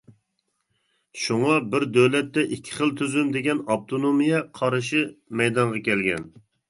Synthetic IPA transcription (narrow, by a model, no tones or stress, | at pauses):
ʃuŋɑbɪɾd̪øwlɛt̪ːɛʔikʲʰːɪ̥χəlˠt̪ʰyzymd̪eɡʲɛnɑp̚t̪ʰonomijɛqʰɑɾɨʃ̬ɪmɛjd̪ɑɴʁɑkʲɛlɡʲɛ̰n